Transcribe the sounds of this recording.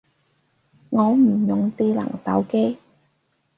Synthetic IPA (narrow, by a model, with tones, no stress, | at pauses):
ŋɔː˨˧m̩˨˩jʊ˨ŋt̪iː˥lɐ̰˨˩ŋsɐ˨˥wke˥j